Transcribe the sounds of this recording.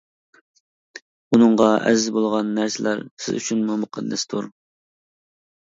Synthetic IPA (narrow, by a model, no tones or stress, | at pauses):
unɨŋʁɑʔɛ̰zzbolˠʁɑnːæɾsɪlæɾsɪ̰zy̰t͡ʃʰynmumʊqʰɑd̪ːɛst̪ʰuɾ